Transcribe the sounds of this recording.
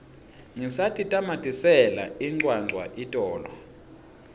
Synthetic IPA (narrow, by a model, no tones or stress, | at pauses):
ŋisatʰitʼamatʰʼisɛla̰iŋ͡ǀwawa̰ʔitʼɔːlɔ